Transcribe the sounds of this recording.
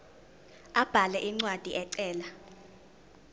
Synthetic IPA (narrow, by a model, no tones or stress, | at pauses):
ab̥ʱalɛʔiŋ͡ǀwad̥ʱiʔɛǀɛːla